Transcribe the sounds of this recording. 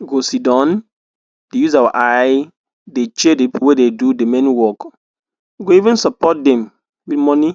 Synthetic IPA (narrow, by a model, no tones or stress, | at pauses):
ɡosidɔ̃n | dejuz̬awaʔaj | det͡ʃedepwededudemɛ̃niwɔk | ɡoivɛ̃nsɔpɔt̚dɛ̃m | witmɔni